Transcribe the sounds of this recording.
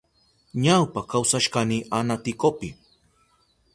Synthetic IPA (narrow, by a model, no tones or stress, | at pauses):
ɲawpakawsaʃkaniʔanat̪ɪkopɪ